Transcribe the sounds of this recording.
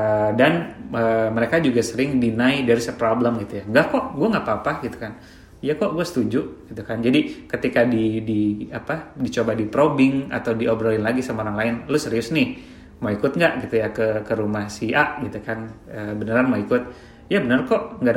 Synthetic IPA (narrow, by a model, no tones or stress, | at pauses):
ədanəːməɾekad͡ʒuɡasəɾɪŋdinaidaɾisəpɾobləmɡit̪ujaŋɡaʔkɔʔɡuɛŋɡaʔpaːpahɡit̪u̥kan | jakɔʔɡuɛsə̥t̪ud͡ʒuʔɡ̥it̪ukand͡ʒadikət̪ikadidiapadit͡ʃobadipɾobɪŋa̰t̪awdiʔobɾolɪnlaɡisamaoɾaŋlaɪnlʊsəɾiʊsnɪh | maikʊt̪̚ŋɡaʔɡit̪ujakəkəɾumahsiaʔɡit̪ukan | əbənəɾanmaikʊt̪̚ | jabənərkɔʔŋɡa